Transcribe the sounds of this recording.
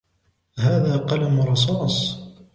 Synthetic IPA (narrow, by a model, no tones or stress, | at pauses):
haːðaːqɑlamʊɾˤɑs̬ˤɑːsˤ